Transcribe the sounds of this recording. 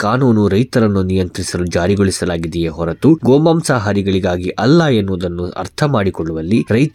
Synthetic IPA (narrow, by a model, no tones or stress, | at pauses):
kaːnuːnuɾɐjt̪ɐɾɐnːunijɐnt̪ɾisɐlud͡ʒaːɾiɡoɭisɐlaːɡid̪ɛjeɦɔɾɐt̪uɡɔːmbɐmsaːɦaːɾiɡɐɭiɡaːɡiʔʔɐlːajenːuɐd̪ɐnːuɐ̰ɾt̪ʰɐmaːɽikɔɭːuʋɐlːiɾɐjt̪